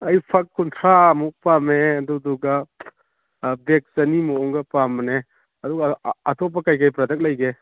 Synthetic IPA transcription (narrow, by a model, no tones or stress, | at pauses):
ɐjpʰakːuntʰɾamuk̚pameɐduduɡa | bek̚sɐnimuɔŋɡɐpamne | ɐd̪uɡɐːtʰɔp̬ːɐkajkajpɾɐd̪ɐk̚lɐjɡe